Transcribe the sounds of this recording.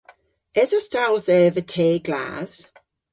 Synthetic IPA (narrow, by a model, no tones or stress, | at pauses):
ɛzɔstalθɛːvətʰeːɡla̰ːz̥